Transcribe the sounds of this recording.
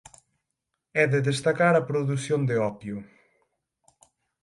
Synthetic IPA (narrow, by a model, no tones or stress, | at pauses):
ɛðɨðeʃt̪ɐkaɾɐpɾuðusjõnd̪eɔpju